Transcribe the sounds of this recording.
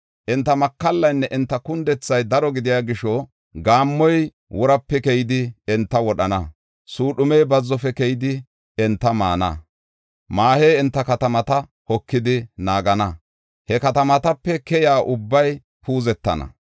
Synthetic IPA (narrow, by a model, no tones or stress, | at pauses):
ʔɛnt̪ːɐmɐkːɐlːɐjnːɛʔɪnt̪ːɐkʊnd̪ɛt͡sːɐjd̪ɐɾɔɡɪd̪ɪjaːɡɪʃɔ | ɡaːmːɔj | wʔɔɾɐpːɛkɛjɪd̪ɪɛnt̪ːɐwɔɗɐnɐ̰ | suːɗʊmɛjbɐzːɔfɛkɛjɪd̪ɪ | ɛnt̪ːɐma̰ːnɐ̰ | maːhejɪnt̪ːɐkɐt̪ɐmɐt̪ɐ | hɔkːɪd̪ɪnaːɡɐnɐ | hɛkɐt̪ɐmɐt̪ɐpːɛkɛjaːʔʊbːɐj | pʰuːzɛt̪ːɐ̰nɐ̰